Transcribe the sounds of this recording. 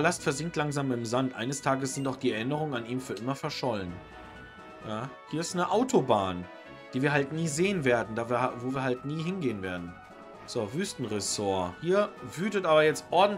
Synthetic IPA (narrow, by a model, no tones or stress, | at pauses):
alastfɛɐzɪŋk̚tlaŋzaːmɪmzantʔa̰ɪnəstʰaːɡəsz̥ɪntaʊxd̥iːɛɐʔɪnəʁ̞ʊŋənaniːmfyːɐʔɪmɐfɛɐʃɔlən | jaːhiːɐɪstnəʔaʊtʰobaːn | d̥iːviːɐɦaltniːzeːənveːɐdn̩daːvːɐvoːviːɐhaltniːɦɪnɡeːənveːɐdn̩ | z̥oːvyːstn̩ʁɛsoːɐhiːɐvyːtətʔaːbɐjɛt͡stʔɔɐdn̩